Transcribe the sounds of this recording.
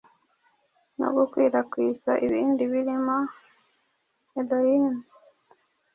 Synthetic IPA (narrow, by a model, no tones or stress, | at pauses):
no̰ɡukwiːɾakwisa̰ʔiβiːndiβiɾima | edojin